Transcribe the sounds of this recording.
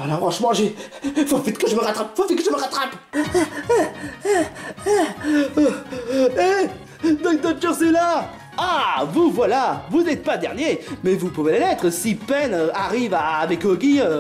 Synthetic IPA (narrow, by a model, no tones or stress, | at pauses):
lafʁɑ̃ʃmɑ̃ʒe | fofit̪kəʒəməʁat̪χapfofɛt̪̚kəʒəməʁat̪χap | e | d̪ɔ̃k̚d̪ɔ̃kɔsela | avuvwalavunɛt̪̚pad̪ɛʁnjemɛvupuvelelɛt̪χəsipɛnøaʁivavɛkɔɡʲiø